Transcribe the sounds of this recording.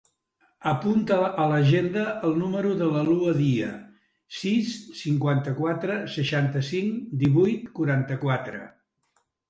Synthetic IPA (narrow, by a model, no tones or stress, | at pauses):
əpunt̪əːləʒend̪əːlˠnuməɾuðələluəðiə̰ | sisːiŋkwant̪əkwat̪ɾəsəʃant̪əsiŋd̪iβujt̪kuɾant̪əkwat̪ɾə̰